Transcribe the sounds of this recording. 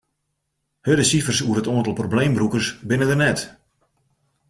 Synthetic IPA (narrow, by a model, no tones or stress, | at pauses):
hødəsifərsuərətoəntlˠprobleːmbrukərsbɪnədərnɛt